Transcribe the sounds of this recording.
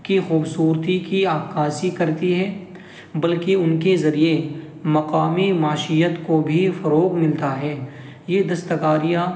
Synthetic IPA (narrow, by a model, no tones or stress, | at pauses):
kixuːbsuːɾt̪ikiaːkaːsikɐɾt̪iɦɛː | bɐlkeʊnkezɐɾie | mɐqaːmimaːʃijət̪kobʱifɐɾoːɣmɪlt̪aɦɛː | jeːd̪ɐst̪əkaːɾija